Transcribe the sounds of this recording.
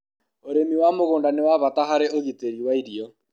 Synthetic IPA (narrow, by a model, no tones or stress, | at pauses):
oɾemiwamoɣoːndanewaβataɦaɾeʔoɣiteɾiwaiɾiɔ